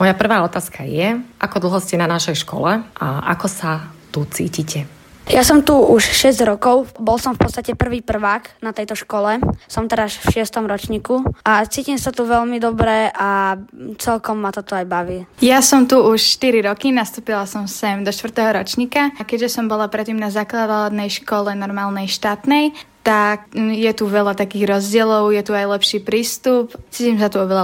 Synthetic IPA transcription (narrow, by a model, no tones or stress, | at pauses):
mɔjapr̩ʋaːɔt̪aːskajɛʔakɔd̪l̩ˠɦɔscɛnanaʃɛjʃkɔ̰lɛʔa̰ʔa̰kɔsat̪ut͡sḭːcicɛ | jasɔmt̪uʔuʃʃɛzɟɾɔkɔʊbɔlsɔmfpɔt̪st̪acɛpr̩ʋiːpr̩ʋaːknat̪ɛjt̪ɔʃkɔlɛsɔmt̪ɛɾasfʃɪɛst̪ɔmɾɔt͡ʃɲiːkuat͡siːcimsat̪uʋɛʎmid̪ɔbɾɛʔat͡sɛlkɔmːat̪ɔt̪ɔajbaʋiːjasɔmt̪uuʃʃt̪iɾiɾɔkinast̪uːpilasɔmsɛmd̪ɔʃt̪ʋ̩t̪ɛɦɔɾɔt͡ʃɲikakɛʒɛsɔmbɔlapɾɛt̪ːiːmnazaklad̪ad̪nɛjʃkɔlɛnɔɾmaːlˠnɛjʃt̪aːt̪nɛjt̪akjɛt̪uʋɛlat̪akiːɣɾɔzɟɪɛlɔʊjɛt̪uajlɛpʃiːpɾiːst̪upt͡siːcimsat̪uɔʋɛla